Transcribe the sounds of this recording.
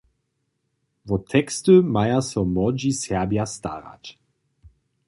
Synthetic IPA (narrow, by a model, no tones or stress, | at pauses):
vɔtʰɛkstəmajasɔmɔd͡ʒisɛɐbjasta̰ʁa̰t